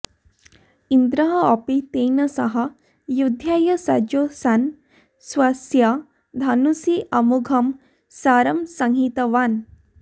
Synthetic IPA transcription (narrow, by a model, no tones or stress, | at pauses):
ind̪ɾɐɦɐɐpit̪ejnɐsɐɦɐ | jud̪ʱjajɐsa̰d͡ʒjosan | sʋasja | d̪ʱanusiʔɐmuɡʱɐm | saːɾɐmsɐŋɦit̪ɐʋaːn